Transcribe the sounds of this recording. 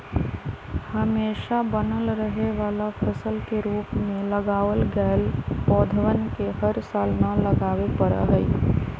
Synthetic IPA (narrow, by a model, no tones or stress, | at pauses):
həmeːʃabənəlɾəɦeʋaːlafʰəsəlkeɾuːpmẽləɡaːʋəlɡɛːlpɔːd̪ʱəʋənkeɦəɾsaːlnaləɡaːwepəɾa̰ɦɛi